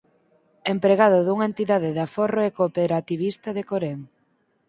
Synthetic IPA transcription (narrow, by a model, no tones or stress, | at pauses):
empɾeɣað̞ʊðuŋent̪iðaðɪðaforoekopeɾat̪iβ̞ist̪ɐðekoɾeŋ